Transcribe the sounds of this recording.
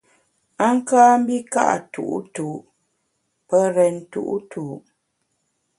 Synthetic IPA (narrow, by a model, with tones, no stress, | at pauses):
a˦ŋ˦kaː˦m̩˦bi˦ka̰˦ʔa̰˨tṵ˨ʔṵ˦tu˨ʔ | pə˦ɾɛ˨n˨tṵ˨ʔṵ˦tʰu˨ʔ